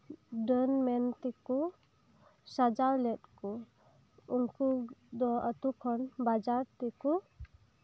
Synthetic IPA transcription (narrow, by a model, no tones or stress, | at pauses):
ɖənmɛnt̪ɛku | sad͡ʒaɾlɛt̪̚ku | uŋkud̪ɔət̪ukʰɔnbad͡ʒaɾt̪ɛku